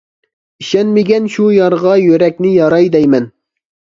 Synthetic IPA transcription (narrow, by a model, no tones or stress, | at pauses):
iʃɛnmɪɡʲɛnʃujɑɾʁɑjøɾɛkʲnɪjɑɾɑjd̪ɛjmɛn